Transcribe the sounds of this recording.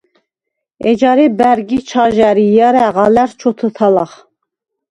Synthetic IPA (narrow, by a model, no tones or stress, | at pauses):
ɛd͡ʒɑɾibæɾɡit͡ʃʰaʒæɾijaɾɛʁɑlæɾt͡ʃʰɔt̪ʰət̪ʰalaχ